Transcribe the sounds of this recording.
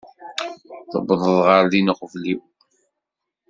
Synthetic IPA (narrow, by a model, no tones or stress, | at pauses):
θə̰bðˤəðˤʁəɾlinəχvliw